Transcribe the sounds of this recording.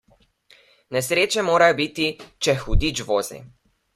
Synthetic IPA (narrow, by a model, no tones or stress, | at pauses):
nɛsɾeːt͡ʃɛmoːɾajɔbiːt̪it͡ʃɛxud̪it͡ʃʋoːzḭ